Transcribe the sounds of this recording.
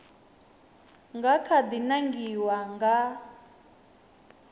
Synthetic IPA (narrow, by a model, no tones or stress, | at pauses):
ŋɡakʰad̪inaŋɡiwaŋɡa